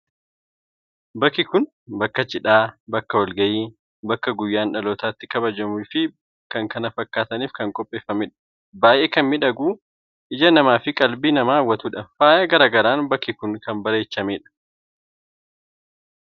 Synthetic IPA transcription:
bɐkːɪkʊn | bɐkːɐt͡ʃʼɪᶑaːbɐkːɐwɐlɡɐjiː | bɐkːɐɡʊjːaːnᶑɐloːt̪aːt̪ːɪ̥kɐbɐd͡ʒɐmufɪ | kɐŋkɐnɐfɐkːaːt̪ɐniːfkɐŋkʼɔpʼːe̞ːfːɐmɪᶑɐ̥ | baːjʔeːkɐnmɪᶑɐɡuː | ʔɪd͡ʒɐnɐmaːfɪkʼɐlbiːnɐmaːwːɐt̪uᶑɐfaːjɐɡɐɾaːɡɐɾaːnbɐkːɪkʊnkɐnbɐɾe̞ːt͡ʃːɐmeːᶑɐ̥

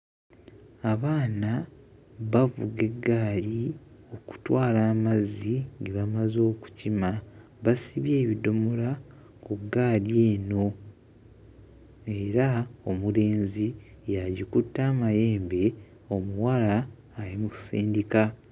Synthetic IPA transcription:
aβaːna | βavṵɡe̞ɡːaːlio̞ku̥twaːlaːmaziŋɡeβamazo̞ːku̥cima | βasiβje̞ːβido̞mola | kuɡaːlje̞ːno̞ | e̞ɾaomule̞ːnzijaɟikutːaːmaje̞ːmbe̞ | o̞muwalaː | limuku̥siːndika

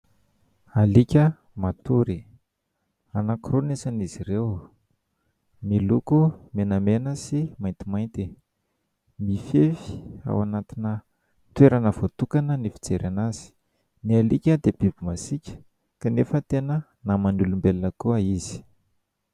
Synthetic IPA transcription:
alikʲə | mat̪uɾi | anakrunesanizirew | milukumenəmenəsimajnt̪imajnt̪i | mifefi̥a̰wanat̪inə | t̪weɾanəvot̪ukanənifi̥t͡seɾanaz̥i̥ | nialikʲəd̪eb̥ibimasikʲə̥ | kanefət̪enə | namanulumbelnəkuaiz̥i̥

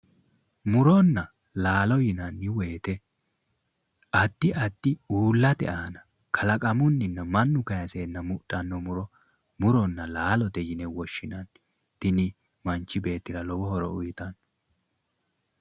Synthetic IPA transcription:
mʊɾɔnːɐ | laːlɔjɪnɐnːɪweːt̪ɛ | ɐt̪ːɪʔɐt̪ːɪuːlːɐt̪ɛ̰ʔaːnɐ | kʰɐlɐkʼɐmʊnːɪnːɐmɐnːʊkɐjɐseːnːɐmʊɗʼːɐnːɔmʊɾɔ | mʊɾɔnːɐlaːlɔd̪ɛjɪnɛwɔʃːɪnɐn | t̪ɪnɪ | mɐnt͡ʃːɪbe̞ːt̪ːɪɾɐlɔwɔhɔɾɔ̰ʊjɪt̪ɐn

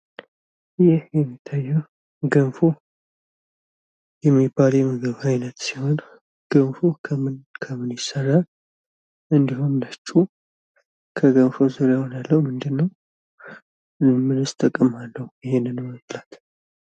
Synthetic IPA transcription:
jɪhjɛmːit̪ʰːajːɛ | ɡənfo | jɛmːibːaljɛmɨɡɨβajnət̪siho̞n | ɡ̥əmfokʰəmɨnkʰəmɨnjɪsːərːal | ʔɨnd̪ihunlət͡ʃʼːu | kʰəɡənfozuɾjajhonalːəhumɨnd̪ɨnːəw | mɨlɨst̪ʰʼəkʼːɨmalːəhujɪhenɨnːəwjlat̪

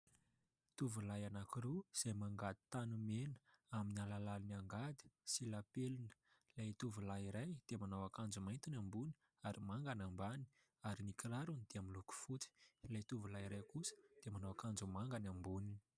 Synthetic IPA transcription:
t̪uvulajanakiɾuz̥ejmaŋɡad̪i̥t̪anumenə̥aminialalaliniaŋɡad̪i̥silapelunə̥ | lajt̪uvulaiɾajd̪̥emanawakand͡zumajnt̪inambuni̥ | aɾimaŋɡanambani̥ | aɾinikilaɾunid̪̥eamiluku̥fut͡si̥lajt̪uvulaiɾajkusə̥d̪̥emanawakand͡zumaŋɡanambunini̥

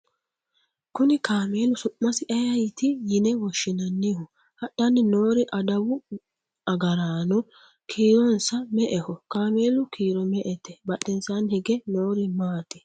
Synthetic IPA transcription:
kʊnɪkaːmeːlʊsʊʔːɐsɪʔɐjɐjt̪ɪjɪnɛwɔʃːɪnɐnːɪhʊ | hɐɗːɐnːɪno̞ːɾɪʔɐd̪ɐwʊ | ʔɐɡɐɾaːnɔ | kʰiːɾɔnsɐmɛʔɛhɔkaːme̞ːlʊkʰiːɾɔmɛʔɛt̪ɛbɐɗːɛnsanhɪɡɛnoːɾɪmaːt̪ɪ̥

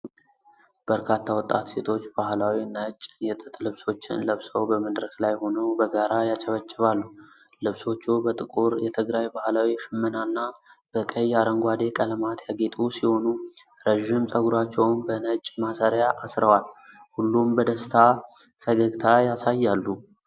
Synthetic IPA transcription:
b̥əɾkʰat̪ʰːawɔt̪ʼːat̪se̞t̪ʰo̞t͡ʃːb̥ahlawinət͡ʃʼːjɛt̪ʼɨt̪ʼlɨβso̞t͡ʃːɪ̰nləβsəwbəməd̪ɾəklajho̞nəwbəɡaɾajat͡ʃʼəβət͡ʃʼːɪβalːu | lɨβso̞t͡ʃːubət̪ʼɨkʼuɾjɛt̪ʰɨɡɾajbahlawiʃɨmːənanːab̥əkʼəjaɾəŋɡʷad̪e̞kʼəlmat̪ʰjaɡe̞t̪ʼusiho̞nu | ɾəʒɪmsʼəɡuɾat͡ʃːɛwnbənət͡ʃʼːmasəɾjaʔasɾəwalhulːumbəd̪əst̪ʰafəɡəɡt̪ʰajasajːalːu

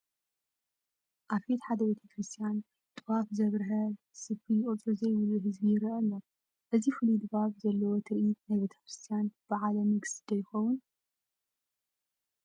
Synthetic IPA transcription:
ʔaβbet̪ħad̪ɐbe̞t̪ʰɐkɾɨst̪ʰʼijan | t̪ʼɨβafzɐβɾɨɦɐ | sɨfijɪkʼɨt͡sʼɾuzɐjβɨluɦɨzbijɪɾiʔɐlːo | ʔɨzifɨlid̪ɨbaβzɐlːɐwot̪ʰɨɾʔit̪najβe̞t̪ʰɐ̥kɾɨst̪ʰijanb̥ɨʕalɐmɨɡsɨd̪ɐjɪxɐwun

